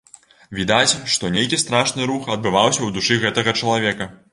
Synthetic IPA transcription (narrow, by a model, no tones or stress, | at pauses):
vʲid̪at͡sʲʂt̪ɔnʲejkʲist̪ɾaʂnɨɾuxɐd̪̚bɨvawsʲɐwd̪uʂɨɣɛt̪ɐɣɐt͡ʂɐlˠavʲɛkɐ